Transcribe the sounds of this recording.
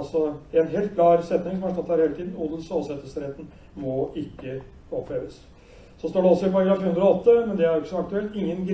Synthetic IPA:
sɔɛnɦeːlt̪̚kʰlɑːɾsɛt̪nɪŋsɔmæɾʂɑt̪ːhæɾheːlət̪iːd̪n̩ud̪əlsolsɛt̪ːəsəɾɛt̪ːn̩ | mɔʔɪkːə | ɔpʰleːʋəs | sɔst̪oːɖɛɔlsɔɪpʰɑɾɡɾɑːfʉnd̪ɾɔɔt̪ːəmɛnd̪ɛæɾjʊkəsɔɑkt̪ʉɛlt̪ɪŋːənɡɾ

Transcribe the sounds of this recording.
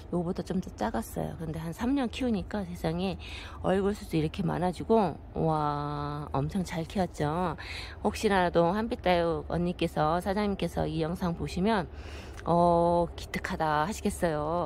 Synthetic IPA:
joɡbotʰʌt͡ɕ͈omtt͡ɕ͈aɡas͈ʌ̰jo̰kɯnde̞ɦansʰamɲʌnkʰiuɲik͈asʰe̞sʰaŋe | ʌ̰ɭɡɯɭs͈ʰudoiɾʌkʰe̞ma̰nɦad͡ʑiɡo | wa | ʌ̰mt͡ɕʰʌŋt͡ɕaɭkʰiʌt̚t͡ɕ͈o | hok̚ɕ͈inadohanbit͈ajuʌ̰ɲːik͈e̞sʰʌsʰad͡ʑaŋɲimk͈e̞sʰʌijʌŋsʰaŋpoɕʰimjʌn | ʌki̥tʰɯ̥kʰadahaɕʰiɡe̞s͈ʌjo

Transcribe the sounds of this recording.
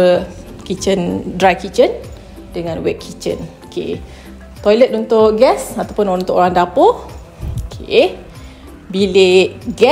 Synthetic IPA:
ə | kit͡ʃəndɾajkit͡ʃən | dəŋãnwɛ̰ʔ̚kʰit͡ʃə̰nokʰḛ | t̪ɔjlət̪unt̪ʊʔɡɛsat̪awpʊnunt̪ʊʔoɾaŋdapo | okʰe | bileʔɡɛ

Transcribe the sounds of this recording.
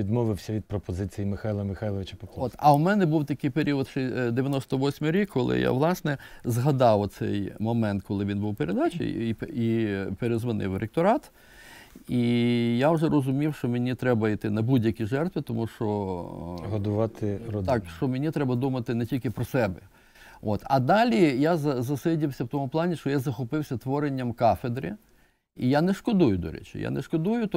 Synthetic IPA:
id̪mɔʋɪwsʲɐʋʲid̪̚pɾɔpɔzɪt͡sʲijimɪxajlˠɐmɪxajlˠɔʋeɪt͡ʃɐpɔkˠɔt̪ɐwmɛnɛbuwt̪ɐkɪjpeɾʲiɔt̪ʃd̪eʋʲjɐnɔst̪ɔʋɔsʲmʊɾʲikʰːɔlˠɪ̰ja̰ʋlˠɑsnɛzɦɐd̪ɑw̪sɛ̰jmɔmɛnt̪kʰɔlˠɪʋʲinbuwpeɾed̪at͡ʃʲɪ̰jiipeɾezʋɐnʔɪ̰wɾek̚t̪ɔɾɑt̪ | ijawʒɛɾɔzʊmʲiwʃt͡ʃɔmenʲit̪ɾɛbɐit̪ɪnɐbudʲjɐkʲiʒɛrt̪ʋɪt̪ɔmuʃt͡ʃɔ | ɦɔd̪ʊʋɑt̪ɪɾɔɑkʃt͡ʃɔmenʲit̪ɾɛbɐd̪umɐt̪ɪnɛtʲilʲkɪpɾɔsɛbɛ | ot̪ɐd̪ɑlʲijazɐzɐsɪdʲiwsʲɐwt̪ɔmʊplˠɑnʲiʃt͡ʃɔjazɐxɔpɪwsʲɐt̪ʋɔɾenʲːɐmkɑfed̪ɾʲɪ̰ | ijanɛʃkɔd̪ujʊd̪ɔ̰ɾɛ̰t͡ʃʲɪ̰ja̰nɛ̰ʃkɔd̪ujʊt̪

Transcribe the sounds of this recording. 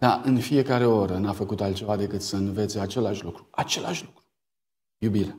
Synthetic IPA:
d̪̥aʔɨnfije̞kaɾe̞oɾənafəkut̪alt̪̚t͡ʃe̞vad̪e̞kɨt̪səɨnve̞t̪seat͡ʃe̞laʃʲlukɾuat͡ʃe̞laʃʲlukɾu | jubiɾe

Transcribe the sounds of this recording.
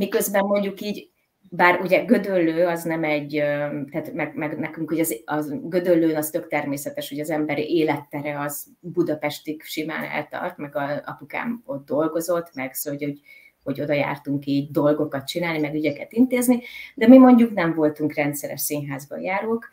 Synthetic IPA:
mikø̞zbɛmːo̞ɲɟukiːɟ | baːruɟɛɡø̞d̪ølːøːɒznɛmɛɟːøt̪aːt̪mɛɡmɛɡnɛkyŋkho̞ɟɒzɒɡø̞d̪ølːøːnɒst̪ø̞kt̪ɛrmeːsɛt̪ɛʃho̞ɟɒzɛmbɛɾiʔeːlɛt̪ːɛɾɛɒz | bud̪ɒpɛʃt̪ikʃima̰ːnɛ̰lt̪ɒ̰rt̪mɛɡɒzɒ̰puka̰ːmod̪̚d̪o̞lɡo̞zo̞t̪ːmɛɡsoɟoɟ | ho̞ɟo̞d̪ɒja̰ːrt̪uŋkiːɟ̚d̪o̞lɡo̞kɒt̪̚t͡ʃinaːlnimɛɡyɟɛkɛt̪int̪eːznid̪ɛmimo̞ɲɟuknɛɱvo̞lt̪uŋkrɛnt̪sɛɾɛ̰ʃsiːɲɦaːzbɒ̰jaːɾoːk

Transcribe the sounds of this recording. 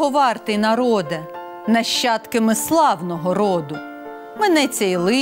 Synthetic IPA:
ɔʋɑrt̪ɪnɐɾɔd̪ɐ | nɐʃt͡ʃɑt̪kɪmɪslˠɑwnɔɦɔɾɔd̪ʊ | mɛnɛt͡sʲɛjlˠɪ

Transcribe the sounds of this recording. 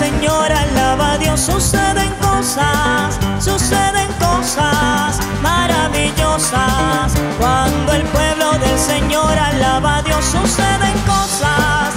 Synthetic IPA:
eɲoɾalaβaðjo̞sːuse̞ðe̞ŋko̞sasː | useðe̞ŋko̞sas | maɾaβiʝo̞saskwand̪oe̞lpwe̞βlo̞ðelse̞ɲo̞ɾalaβaðjosuse̞ðe̞ŋkosas

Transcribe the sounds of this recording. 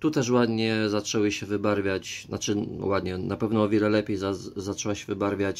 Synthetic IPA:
t̪ut̪ɛʂ̬wad̪ɲɛzat͡ʂɛwɘɕɛvɘbaɾvʲjat͡ɕna̰t͡ʂɘwad̪ɲɛnapɛvnɔːvʲjɛlɛlɛpʲjejzazat͡ʂɛwaɕɛvɘbaɾvʲjat͡ɕ

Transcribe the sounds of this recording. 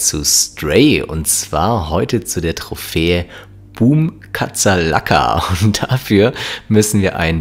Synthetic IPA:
t͡sṵstʁ̥eɪʊ̰ntt͡sv̥aːɐhɔʏtət͡sudeːɐtʁ̥ofeːə | b̥uːm | kʰat͡sɐla̰kʰa̰ʊntd̥afyːɐmʏsn̩viːɐʔa̰ɪn

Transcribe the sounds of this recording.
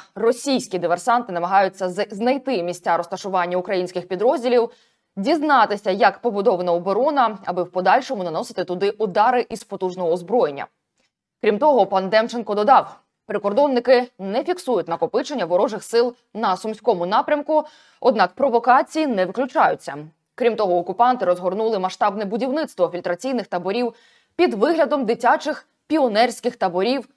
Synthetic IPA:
rɔsʲijsʲkʲid̪ɪʋersɑnt̪ɪnɐmɐɦɑjʊt͡sʲːɐznɐjt̪ɪmʲisʲt͡sʲaɾɔst̪ɐʃʊʋɑnʲːɐʊkɾɐjinʲsʲkɪxpʲid̪ɾɔzʲdʲilʲiw | dʲiznɑt̪ɪsʲɐjɐkpɔbʊd̪ɔʋɐnɐɔbɔɾɔnɐɐ̰bɪwpɔd̪ɑlʲʃɔmʊnɐnɔsɪ̥t̪ɪt̪ʊd̪ɪʔʊd̪ɑɾɪʔizpɔt̪uʒnɔɦɔːzbɾɔjenʲːɐ̰ | kɾʲimt̪ɔɦɔpɑnd̪ɛmt͡ʃenkɔd̪ɔd̪ɑw | pɾɪkɔrd̪ɔnːɪkɪnɛfʲiksujʊtʲnɐkɔpɪt͡ʃenʲːɐʋɔɾɔʒɪxsɪlˠ | nɐsʊmʲsʲkɔmʊnɑpɾʲɐmkʊ | ɔd̪̚nɑkpɾɔʋɔkɑt͡sʲijinɛʋɪklʲʊt͡ʃɑjʊt͡sʲːɐ | kɾʲimt̪ɔɦɔːkʊpɑnt̪ɪɾɔzɦɔrnulˠɪmɐʃt̪ɑbnɛbʊdʲiwnɪt̪st̪ʋɔfʲilʲt̪ɾɐt͡sʲijnɪxt̪ɐbɔɾʲiw | pʲid̪ʋɪɦlʲɐd̪ɔmd̪ɪtʲat͡ʃɪx | pʲiɔnɛrʲsʲkɪxt̪ɐbɔɾʲiw

